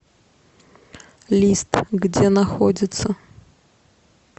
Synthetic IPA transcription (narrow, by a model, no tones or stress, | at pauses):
lʲist̪ɣd͡zʲɛnaxɔd͡zʲɪt̪sə